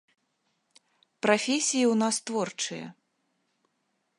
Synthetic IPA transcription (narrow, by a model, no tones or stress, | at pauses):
pɾafʲesʲijiwnast̪vɔrt͡ʂɨjɐ̰